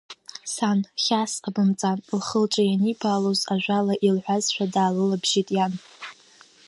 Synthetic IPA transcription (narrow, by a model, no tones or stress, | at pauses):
sanχʲasqʼabɨmt͡sʼanlχəlt͡ʃʼajanibʰaːlozaʒᶣʷalaʔilħʷazʃʷᶣadaːlɨlabʒitʼjan